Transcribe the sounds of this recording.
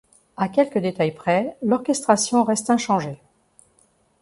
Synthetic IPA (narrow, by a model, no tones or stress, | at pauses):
akʲɛlkəd̪et̪ajpχɛlɔʁkʲɛst̪χasjɔ̃ʁɛst̪ɛ̃ʃɑ̃ʒe